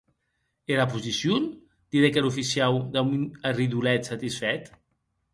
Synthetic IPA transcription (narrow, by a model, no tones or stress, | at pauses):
elapuzisjun | d̪̥iɾekeɾufisiawd̪aunariðulɛt̪sat̪isfɛt̪